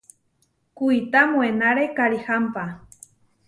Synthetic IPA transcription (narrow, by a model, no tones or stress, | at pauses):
kuit̪amwenaɾekaɾixampa